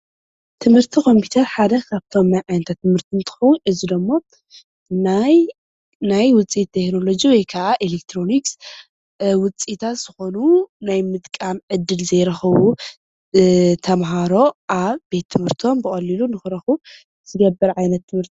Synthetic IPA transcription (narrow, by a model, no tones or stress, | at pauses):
t̪ʰɨmhɨɾt̪ʰikʰo̞mpʰiu̥t̪ʰɐɾħad̪ɐkʰaβt̪ʰo̞mnajʕajnɐt̪ʰat̪ːɨmhɨɾt̪ʰɨnt̪ʰɨ̥xɐwunʔɨzid̪ɐmːo̞ | naj | najwʊt͡sʼit̪ʰːekno̞lo̞d͡ʒiwɔjkʰaʔaʔelek̚t̪ʰɾo̞niks | wʊt͡sʼit̪ʰat̪z̥ɨxo̞nunajmɨt̪kʼamʕɨd̪ːɨlzɐjɾɐxɐwu | t̪ʰɐmɦaɾo̞ʔaβbe̞t̪ʰːɨmhɨɾt̪ʰo̞mbɨχʼɐlilunɨxɨɾɐxu | z̥ɨɡɐbːɐɾʕajnɐt̪ʰːɨmhɨɾt̪ʰi